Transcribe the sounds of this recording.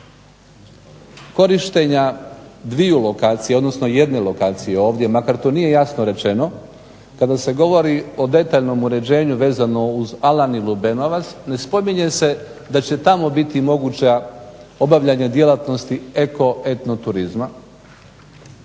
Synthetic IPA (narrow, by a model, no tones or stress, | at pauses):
ko̞ɾiʃt̪eɲad̪ʋijulo̞kaːt̪sijeo̞d̪nosno̞je̞d̪ne̞lo̞kaːt̪sijeo̞ːʋd̪je̞makaɾt̪oːnije̞jasnoɾe̞t͡ʃe̞no̞ | kad̪ase̞ɡo̞ʋo̞ɾio̞d̪e̞t̪aːʎno̞muɾe̞d͡ʑe̞ːɲuʋe̞ːzano̞uzalanilˠube̞no̞ʋat̪sne̞spo̞miɲe̞se̞ | d̪at͡ɕe̞t̪amo̞bit̪imo̞ɡut͡ɕao̞baʋʎaɲad̪je̞lˠat̪no̞st̪ie̞ko̞e̞t̪no̞t̪uɾizma